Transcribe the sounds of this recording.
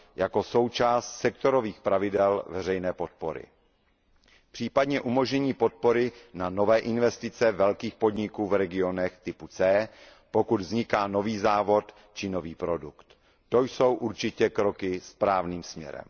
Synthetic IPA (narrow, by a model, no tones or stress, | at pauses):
jako̞so̞wt͡ʃaːst̪sɛkt̪o̞ɾo̞viːxpɾavɪdɛlvɛrɛjnɛːpo̞t̪̚po̞ɾɪ̰ | pr̝̥iːpadɲɛʔumo̞ʒɲɛɲiːpo̞t̪̚po̞ɾɪnano̞vɛːʔɪnvɛst̪ɪt͡sɛvɛlkiːxpo̞dɲɪkuːvɾɛɡɪo̞nɛxt̪ɪput͡sɛː | po̞kud̪vzɲɪkaːno̞viːzaːvo̞t̪ | t͡ʃɪno̞viːpɾo̞dukt̪ | t̪o̞jso̞wʔuɾt͡ʃɪcɛkɾo̞kɪspɾaːvniːmsmɲɛ̰ɾɛ̰m